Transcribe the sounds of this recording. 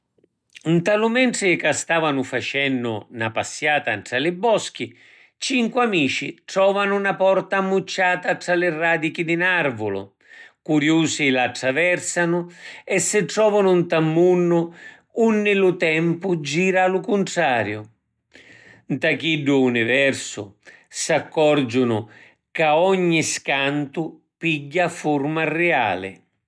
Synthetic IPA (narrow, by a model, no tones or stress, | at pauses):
nt̪alʊmɛɳʈɾɪkast̪aːvanʊfat͡ʃɛnːʊ̰napasːjaːt̪aɳʈɾalɪbːɔsk̟i | t͡ʃiŋkwamiːt͡ʃiʈɾɔːvanʊnapɔrt̪aːmːut͡ʃːaːt̪aʈɾalɪrːaːd̪ik̟id̪ɪnaɾvʊlʊ̰ | kuɾjuːsɪlaʈɾavɛrsanʊɛsːɪʈɾɔːvanʊnt̪amːunːʊ | unːɪlʊt̪ɛmpʊd͡ʒiːɾalʊkunʈ̪ɾaːɾjʊ | nt̪akiɖːʊːnivɛrsʊ̰sakːɔrd͡ʒʊnʊ | kaɔɲːiskant̪ʊ | piɟːafurmarɛa̰ːlɪ̰